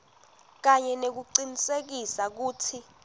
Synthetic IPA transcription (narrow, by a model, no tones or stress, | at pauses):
k̬aɲɛnek̬uǀinisek̬isak̬uːtʰi